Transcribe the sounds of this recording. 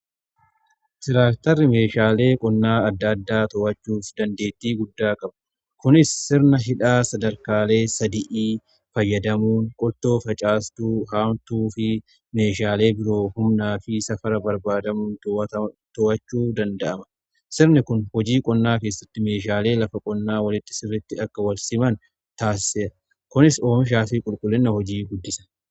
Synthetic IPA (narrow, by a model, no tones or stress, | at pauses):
t̪ɪɾaːkt̪ɐɾɪme̞ːʃaːle̞ːkʼɔnːaːɐd̪ːɐd̪ːaːt̪ɔʔɐt͡ʃːuːfd̪ɐnd̪e̞ːt̪ːiːɡʊd̪ːaːkʼɐbɐ̥ | kʊnɪsːɪɾnɐɦɪᶑaːsɐd̪ɐɾkaːle̞ːsɐd̪ɪʔiː | fɐjːɐd̪ɐmuːŋkʼɔlt̪o̞ːfɐt͡ʃʼaːst̪uːɦaːmt̪uːfɪ | me̞ːʃaːle̞ːbɪɾo̞ːhʊmnaːfɪsɐfɐɾɐbɐɾbaːd̪ɐmuːnt̪ɔɐt̪ɐt̪ɔʔɐt͡ʃːuːd̪ɐnd̪ɐʔɐmɐ | sɪɾnɪkʊnhɔd͡ʒiːkʼɔnːaːkeːsːɐt̪ːɪme̞ːʃ̬aːle̞ːlɐfɐkʼɔnːaːwɐlɪt̪ːɪ̥sɪrːɪt̪ːɪɐkːɐwɐlsɪmɐn | t̪aːsɪʔɐ | kʊnɪso̞ːmɪʃ̬aːfɪkʼʊlkʼʊlːɪnːɐhɔd͡ʒiːɡʊd̪ːɪsɐ̥